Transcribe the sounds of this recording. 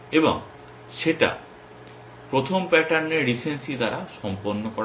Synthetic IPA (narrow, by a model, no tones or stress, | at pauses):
ebo̰ŋ | ʃeʈa̰ | pɾot̪ʰompɛʈaɾneɾɾisensid̪aɾaʃɔmpoɾnːokɔ